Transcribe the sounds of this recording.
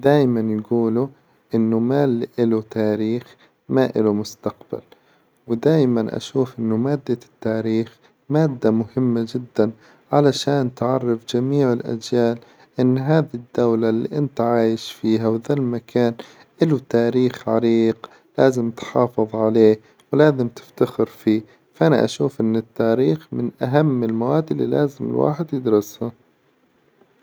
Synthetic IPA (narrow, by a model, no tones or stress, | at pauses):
d̪aːjmanjɡuːlu | ʔɪnːʊmaːlʔɪlut̪aːɾiːx | maʔɪ̰lumʊst̪aqba̰l | wɪd̪aːjmanʔa̰ʃuːfʔɪnːʊmaːd̪ːat̪ːaːɾiːx | maːd̪ːamʊhɪmːad͡ʒɪd̪ːan | ʕalaʃaːnt̪ʕɑrˤːɑfd͡ʒamiːʕɪlʔa̰d͡ʒjaːl | ʔɪnːɦaːðid̪ːawlalːḭːʔɪnt̪ʕaːjɪʃfiːɦawɪðalmakʰaːn | ʔɪlut̪aːɾiːxʕaɾiːq | laːzɪmt̪ħɑːfɨðˤʕaleː | wlaːzɪmt̪ɪ̥ft̪axɪɾfiː | faʔanaʔa̰ʃuːfʔɪnːɪt̪ːaːɾiːxmɪnʔaɦamːɪlmawaːd̪ːɪlːḭlaːzɪmɪ̰lwʔa̰ːħɪd̪jɪd̪ɾˤɑsha